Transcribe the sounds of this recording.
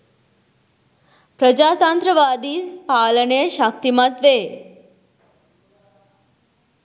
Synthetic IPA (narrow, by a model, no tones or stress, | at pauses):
pɾəd͡ʒat̪ãnt̪ɾəʋad̪ipaləneʃak̚t̪imãt̪ʋe